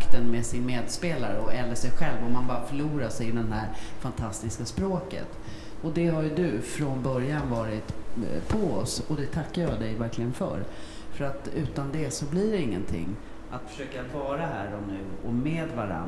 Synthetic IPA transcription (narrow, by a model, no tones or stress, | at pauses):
kt̪ənmɛsɪnmeːd̪speːlaɾəɔɛlːəʂɛjɧɛlvɔmanbɑːɾafœɭuːɾaʂɛjɪd̪ɛnɦæɾfant̪ʰast̪ɪskaspɾoːkə̰t̪ | ɔd̪ɛɦaɾjɵd̪ɵfɾɔnbœɾjanvɑːɾɪt̪pʰɔɔsɔd̪ɛt̪ʰakːaɾjɑd̪ɛjvæɾklɪɡənfœ̰ɾ | fœɾat̪ʉ̟ːt̪and̪ɛsɔbliɖɛɪŋːənt̪ʰɪ̰ŋː | ʔat̪fœ̥ʂøːkavɑːɾaɦæːɾɔnʉ̟ːɔmeːd̪vaɾa̰n